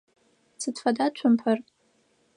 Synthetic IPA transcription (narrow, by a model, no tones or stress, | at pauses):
sʰɨdfadat͡ʃʷʰʊmpʰar